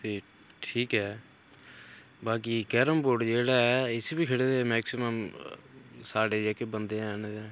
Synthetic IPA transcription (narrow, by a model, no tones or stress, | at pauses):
t̪eː | ʈʰiːkɦɛː | baːkiːkɛːɾəmpoːɖd͡ʒeːɽaːɛːɪsebiːkʰəɽed̪eɛːmɛːksɪməm | saːɽeːd͡ʒaːkeːbənd̪ẽːnd͡ʒɛ̃ː